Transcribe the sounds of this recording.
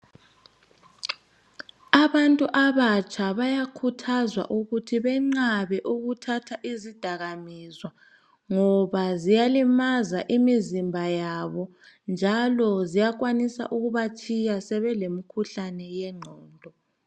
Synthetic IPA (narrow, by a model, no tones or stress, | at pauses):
aβantʼuʔaβat͡ʃʼʰaβajakʰutʰazwa̰ʔuɣutʰiβɛŋ͡ǀaβɛʔuɣutʰatʰaʔizid̥ʱaɣamizwa | ŋɔβazijalimazaʔimizimbʱajaβɔ | nd͡ʒʱalɔzijakwanisa̰ʔuɣuβat͡ʃʰʼijasɛβɛlemikʰuɬanɛjɛŋ͡ǃʱɔːndʱɔ